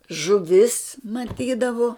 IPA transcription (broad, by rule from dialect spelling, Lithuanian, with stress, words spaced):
ʒʊˈʋʲɪs mɐˈtʲiːdɐʋʊ